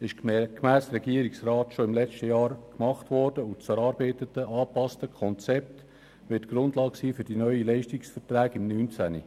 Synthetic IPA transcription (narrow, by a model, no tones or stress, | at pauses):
ɪʃkmæːstɾɛɡiəɾɪksrɑːtʃoɪmlɛt͡ʃtəjɑːɾkmɑχtʋɔɾd̥əʊt͡sɛɾɑːɾbɛɪt̪ətəʔɑːpɑstəkʰɔnt͡sɛp̚t̪ | ʋɪtɡ̥ɾʊndlɑːɡsiːfʏɾd̥inœʏilɛɪʃtɪksfɛrtræːɡɪmnyːnt͡sænḭ